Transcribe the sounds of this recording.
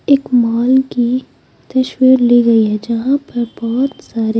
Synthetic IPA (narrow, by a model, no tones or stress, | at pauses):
eːkmaːlki | t̪ɐʃwiːɾliɡɐiɦɛd͡ʒɐɦãpɐɾbɔɦɔt̪saːɾe